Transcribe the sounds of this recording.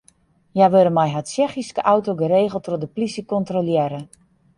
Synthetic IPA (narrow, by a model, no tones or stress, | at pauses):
jaʋøləmɛjɦatsɛxiskəʔawtoɡəɾeːɣəlˠtrodəplisəkɔntroljɛɾə